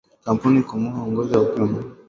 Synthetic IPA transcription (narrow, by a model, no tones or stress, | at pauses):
kampunikumuɦaɔŋɡɔzaupɔmɔ